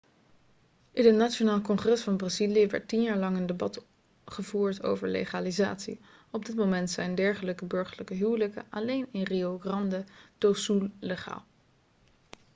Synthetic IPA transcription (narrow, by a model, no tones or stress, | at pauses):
ʔɪnɦətnat͡ʃonaːlˠkɔŋχrɛsfɑnbraziliəʋɛ̰ɹtinjaːɹlɑŋəndebɑt | χəvuːɹto̰wvəɹlḛχaːliza̰ːtsḭ | ɔb̚dɪtmomɛntsɛjndɛɹχələkəbɵɹχəɹləkəɦywləkə̰ʔɑlejnɪnrioɡrɑndəd̥osulleχa̰ːlˠ